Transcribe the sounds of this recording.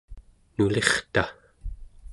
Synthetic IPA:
nule̞χt̪a

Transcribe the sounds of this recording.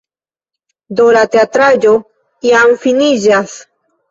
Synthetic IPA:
d̪oɾat̪eat̪ɾaʎo | iaɱfiniʒas

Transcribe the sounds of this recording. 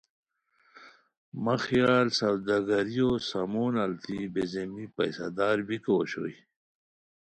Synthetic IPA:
mɐxijaːlsɐwd̪ɐɡɐɾijosamoːnɐlt̪ibezemipɐ̰jsad̪aːɾbiko̰ɕo̰i

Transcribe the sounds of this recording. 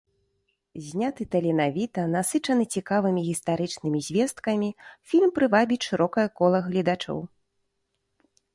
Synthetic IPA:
zʲnʲat̪ɨt̪ɐlʲinavʲit̪ɐnasɨt͡ʂɐnɨt͡sʲikavɨmʲiɣʲist̪aɾɨt͡ʂnɨmʲizʲvʲɛst̪kɐmʲifʲilʲmpɾɨvabʲiʂɨɾɔkɐjɐkɔlˠɐɣlʲid̪at͡ʂɔ̰w

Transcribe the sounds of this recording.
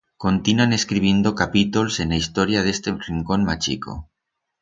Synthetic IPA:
ko̞nt̪inuane̞skɾiβ̞je̞nd̪okapit̪olsenaist̪oɾjaðe̞st̪eriŋko̞nmat͡ʃḭko̰

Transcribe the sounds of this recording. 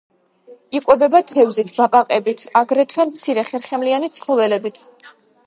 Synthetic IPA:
ikʼwɛbɛbat̪ʰɛvzit̪ʰb̥apʼaqʼɛbit̪ʰaɡɾɛt̪ʰwɛmt̪sʰiɾɛχɛɾχɛmlianit̪sʰχlɔvɛlɛbit̪ʰ

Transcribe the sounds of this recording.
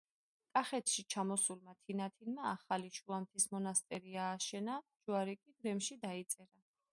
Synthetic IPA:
kʼaχɛt̪ʰʃit͡ʃʰamɔsulmat̪ʰinat̪ʰinmaaχaliʃuamt̪ʰismɔnast̪ʼɛɾiaːʃɛnad͡ʒuaɾikʼid̪ɾɛmʃid̪ait̪sʼɛɾa

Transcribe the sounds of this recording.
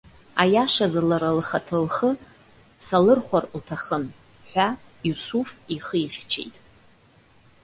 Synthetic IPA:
ajaʂazalaɾalχatʰɨlχə | salɨrχʷarltʰaχən | ħʷᶣa | jusufiχəiχʲt͡ʃʰḛjtʼ

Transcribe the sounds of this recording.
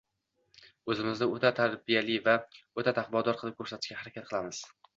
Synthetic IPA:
ɵzɪmɪznɪot̪ʰat̪ʰaɾbijalɪvaot̪ʰat̪ʰaχbɒd̪ɒɾqʰɨlˠɪp̚kʰɵɾsat̪ʰɪʃkʲahaɾakʲʰat̪̚qʰɨlˠamɪz̥

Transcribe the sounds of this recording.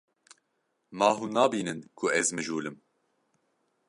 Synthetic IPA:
mɑːɦuːnɑːbiːnɨnkʰʊɛzmɨʒuːlɨm

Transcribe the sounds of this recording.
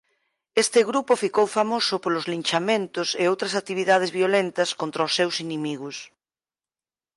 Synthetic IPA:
est̪eɣɾupofikowfamosopolozlinʲt͡ʃamẽnt̪oseowt̪ɾɐsat̪iβiðað̞ezβiolent̪ɐskont̪ɾaosːewsinimiɣus

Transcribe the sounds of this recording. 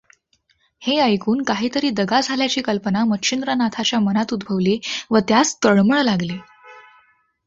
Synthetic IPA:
heəjkuːnkaɦiːt̪əɾiːd̪əɡad͡zʱaljat͡ɕiːkəlpənamət̪ɕʰind̪ɾənat̪ʰat͡ɕjamənat̪ud̪bʱəʋliːʋət̪jast̪əɭməɭlaɡle

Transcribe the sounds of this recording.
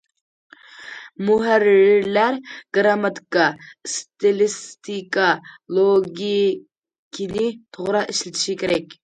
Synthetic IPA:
muɦæriɾlæɾɡ̥ɾamat̪ʰi̥kʼast̪ʰelist̪ʰikʼalˠoɡʲi | kʲʰinit̪ʰoʁɾɑʔiʃlɪt̪ʰʃikʲʰeɾɛkʲ

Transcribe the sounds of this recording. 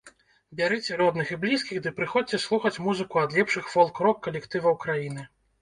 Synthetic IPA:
bʲaɾɨt͡sʲɛɾɔd̪nɨxiblʲiskʲixd̪ɨpɾɨxɔt͡sʲɛslˠuxɐt͡sʲmuzɨkuɐd̪lʲɛpʂɨxfɔlˠkɾɔkːɐlʲɛkt̪ɨvɐwkɾajinɨ

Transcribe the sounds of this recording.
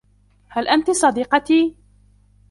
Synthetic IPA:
halʔant̪sˤɑd̪iːqɑt̪iː

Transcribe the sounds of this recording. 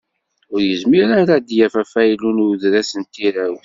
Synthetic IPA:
ʊɾjəzmiɾæɾæd̪jæfæfæjlunuðɾæsənt̪iɾæwθ

